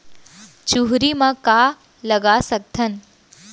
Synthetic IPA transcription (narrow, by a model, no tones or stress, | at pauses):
t͡ʃuɦɾimãka | lɐɡasɐk̚t̪ʰən